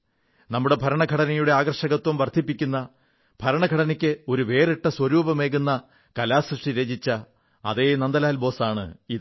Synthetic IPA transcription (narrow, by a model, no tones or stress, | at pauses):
nɐmːuɽe̞bʱɐɾɐɳɐɡʱɐɽɐnɐjuɽe̞aːɡɐrʂɐɣɐt̪wɐmʋɐrd̪ʱipːikʲːunːɐ | b̥ʱɐɾɐɳɐɡʱɐɽɐnɐkʲːɨo̞ɾuʋe̞ːriʈːɐswɐɾuːbɐme̞ːɣunːɐ | kɐlaːsrɨʂʈiɾeːd͡ʑit͡ɕːɐ | ɐ̰ðeːnɐnd̪ɐlaːlbo̞ːsaːɳɨ̰ið